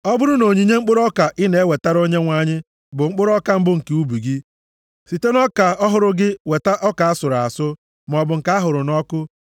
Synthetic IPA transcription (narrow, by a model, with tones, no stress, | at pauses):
ɔ˦bʊ˦ɾʊ˦no˨ɲi˨ɲe˦ŋ͡m̩˦k͡pʊ˦ɾɔ˦ka˨ʔɪ˦ne˨˦we˨ta˦ɾo˦ɲe˦ŋʷa˦ɲɪ˦ | bʊ˨ŋ͡m̩˦k͡pʊ˦ɾɔ˦ka˦m̩˦bʊ˦ŋ̩˨ke˨˦u˦bu˨ɡi˦ | si˨te˦nɔ˦ka˨ɔ˦ɦʊ˦ɾʊ˦ɡɪ˦we˨ta˦ʔɔ˦ka˨a˦sʊ˨ɾa˨sʊ˦ | m˨ɔ˨bʊ˨ŋ̩˨ka˦a˦ɦʊ˨ɾʊ˨nɔ˦kʊ˦